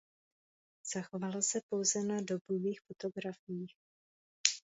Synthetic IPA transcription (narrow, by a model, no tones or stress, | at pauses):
z̥axovalosɛpo̞wzɛnado̞boviːxfot̪o̞ɡɾafɪjiːx